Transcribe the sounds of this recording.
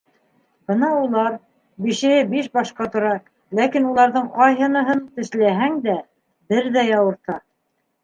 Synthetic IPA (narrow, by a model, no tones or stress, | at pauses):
bɤnɑulˠɑɾ | biʃɘ̆hɘbiʃbɑʃqɑt̪ŏɾɑ | lækinulˠɑɾðɤɴqɑjɦɤ̆nɤ̆ɦɤnt̪ɘ̆ʃlæɦæŋd̪æ | bɘɾðæjɑwɤ̆ɾt̪ɑ